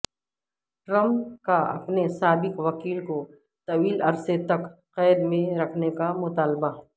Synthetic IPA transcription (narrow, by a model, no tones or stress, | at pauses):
ʈɾɐmkaɐ̰pnesaːbɪqʋɐkiːlko | t̪ɐʋiːlɐɾset̪ɐk | qɛːd̪mẽɾɐkʰnekamʊt̪aːlbaɦɛ